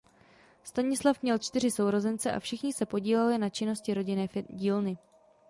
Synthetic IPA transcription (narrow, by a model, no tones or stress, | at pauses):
st̪aɲɪslafmɲɛlt͡ʃt̪ɪr̝ɪso̞wɾo̞zɛnt͡sɛʔa̰fʃɪxɲɪsɛpo̞ɟiːlalɪnat͡ʃɪno̞scɪɾo̞ɟɪnɛːfɟiːlnɪ